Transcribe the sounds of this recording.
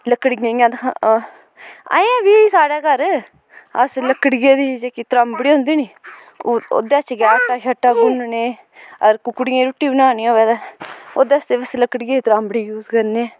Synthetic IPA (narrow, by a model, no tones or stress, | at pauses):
ləkːəɽiɡẽːãːd̪kʰa | a̰ːãːbiːiːsaːɽɛːkəɾ | əsləkːəɽɡeːd̪iːd͡ʒeːkiːt̪ɾãːmbɽiːɦõːnd̪iːniː | o̰ːd̪eːt͡ʃɡaːst̪aːkaːʈːaːɡunneː | əɾkʊkːɽijẽːɾuʈːiːbənaːniːoːʋeːd̪aːoːd̪eːəst̪eːʋəsləkːəɽɡeːiːt̪ɾaːmbɽiːjuːzkəɾneː